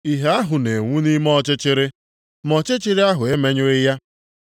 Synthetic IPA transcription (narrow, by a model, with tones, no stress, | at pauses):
i˨ɦe˦a˦ɦʊ˨ne˨ŋʷu˦ni˦mɔ˦t͡ʃɪ˦t͡ʃɪ˦ɾɪ˦ | mɔ˦t͡ʃe˦t͡ʃɪ˦ɾɪ˦a˦ɦʊ˨e˦me˦ɲʊ˦ɪ˦ja˦